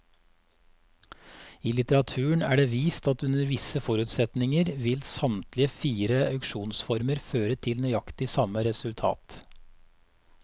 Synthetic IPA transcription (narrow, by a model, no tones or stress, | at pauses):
iːlɪt̪əɾɑt̪ʰʉːəɳæːɖeːʋiːst̪ɑt̪ʉnəɾʋɪsəfɔɾʉːt̪sɛt̪nɪŋəɾʋɪlsɑmt̪lɪəfiːɾəɑʉkʃuːnsfɔɾməɾføːɾət̪ʰɪlnœʏɑkt̪ɪsɑməɾɛsʉlt̪ʰɑ̰ːt̪